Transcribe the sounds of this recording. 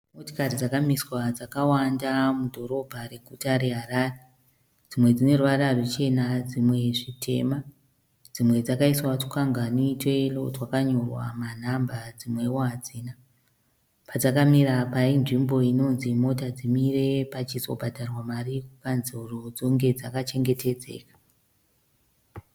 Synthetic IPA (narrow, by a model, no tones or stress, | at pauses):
motokarid͡zakamiswad͡zakawandamudʱo̞ɾo̞bʱare̞ɡʱutaɾe̞ɦaraːre | d͡zimwe̞d͡zine̞ruʋaɾarwut͡ʃe̞nad͡zimwe̞ʐitʰe̞̰ːma | d͡zimwe̞d͡zakaiswatu̥kaŋɡanoitwe̞lotwakaɲo̞rwa̰man̤ambad͡zimwe̞woɦad͡ziːna | pad͡zakamiɾapainʐimbo̞ino̞nzimo̞tad͡zimire̞pat͡ʃizo̞̰bʱadʱarwamarikukanzurod͡zo̞ŋɡe̞d͡zakat͡ʃe̞ŋɡe̞te̞d͡ze̞̰ːkḁ